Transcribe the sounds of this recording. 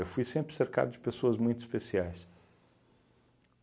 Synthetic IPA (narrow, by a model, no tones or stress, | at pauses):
ewfujsẽmpɾɪ̥seɾka̰d̪ʊd͡ʒɪpesoɐzmũj̃t̪ʊi̥spesiajs